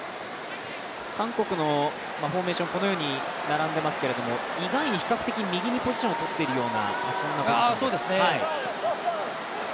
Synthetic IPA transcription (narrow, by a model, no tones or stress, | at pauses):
kãŋko̞kɯ̟no̞ | maɸo̞ːme̞ːɕõŋko̞nojo̞ːɲ̟i | naɾãnd̪e̞masɨ̥keɾe̞d̪o̞mo̞iɡaiɲ̟içi̥kakɯ̟t̪e̞kʲiɲimʲiɡʲiɲ̟ipoʑi̥ɕõːot̪o̞t̪ːe̞ɾɯ̟jo̞ːna̰asõnːakasoːd̪esɨnehai